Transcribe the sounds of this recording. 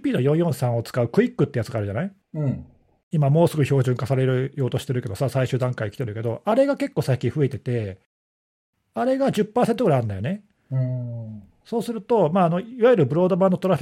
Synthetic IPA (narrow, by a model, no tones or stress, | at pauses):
pʲiːno̞jõ̞ɰ̃jõ̞ɰ̃sãɰ̃o̞t͡sɨ̥kaɯ̟kɯ̟ikːɯt̪ːejat͡sɨɡaːɾɯ̟ʑanai | ɯ̟̃ɴ | imamo̞ːsɨɡɯço̞ːʑɨ̃ŋkasaɾe̞ɾɯ̟jo̞ːt̪o̞ɕi̥t̪e̞ɾɯke̞d̪osasaiɕɨːd̪ãŋkaikʲi̥t̪e̞ɾɯ̟ke̞d̪o̞̰ʔaɾe̞ɡake̞kːo̞ːsakʲːiɸɯ̟e̞t̪e̞t̪e̞ | aɾe̞ɡad͡ʑɨpːaːse̞nt̪oɡɯɾaijand̪ajo̞̰nẽ | so̞ːsɨɾɯ̟t̪o̞maːno̞iβajɯɾɯ̟bɯ̟ɾo̞ːd̪o̞bãnːot̪o̞ɾaɸ